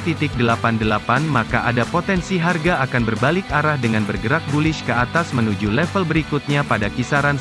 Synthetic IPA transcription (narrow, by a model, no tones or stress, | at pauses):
t̪it̪ɪk̚dəlapandəlapanmakaʔadapot̪ɛnsiɦarɡaakanbərbalɪkaɾahdəŋanbərɡəɾak̚bulɪʃkəat̪asmənud͡ʒulɛfəlbəɾikut̪̚ɲapadakisaɾan